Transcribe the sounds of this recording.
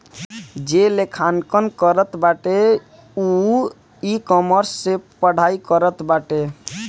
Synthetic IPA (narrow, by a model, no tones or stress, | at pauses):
d͡ʒelekʰankənkəɾət̪baʈe | u | ikɔməɾsːepəɽ̤aikəɾət̪baʈe